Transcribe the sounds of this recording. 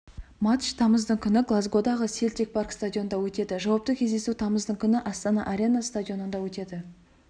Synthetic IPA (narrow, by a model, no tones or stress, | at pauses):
mɑt̪ʃt̪ʰɑməzd̪əɴkʲʰʏnɪɡlˠazɡo̞d̪ɑʁəse̞lt̪e̞k̚pʰarkst̪adʲio̞nd̪ɑwɵt̪e̞d̪ɪʒɑwɑp̚t̪əkʲʰe̞zd̪esut̪ʰɑməzd̪əɴkʲʰʏnɪʔɑst̪ɑnɑ̰ʔaɾʲe̞nast̪adʲijo̞nənd̪ɑwɵt̪e̞d̪ɪ